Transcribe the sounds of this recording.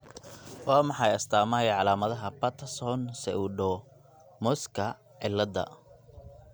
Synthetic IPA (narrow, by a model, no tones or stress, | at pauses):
wɑːmɑħɑjɐst̪ʰaːmɐːjʕɑlaːmɐðɐɦɐpɐt̪ʰɐsɔnsɛuɖɔ | mɔskʰɐ | ʕɪlːɐd̪ɐ̰